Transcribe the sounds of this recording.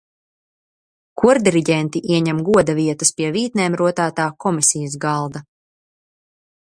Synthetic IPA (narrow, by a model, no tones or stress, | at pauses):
kʰuɾd̪iɾiɟʲɛnt̪iʔiɛɲɛmɡuɔd̪aviɛt̪ɐspiɛviːt̪neːmɾuɔt̪aːt̪aːkɔmisijəz̬ɡɑlˠd̪a